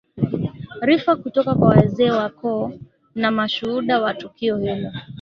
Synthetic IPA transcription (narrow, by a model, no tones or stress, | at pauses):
ɾifakutɔkakwawɛzɛːwakɔ | namaʃuhuɗawatukiɔhilɔ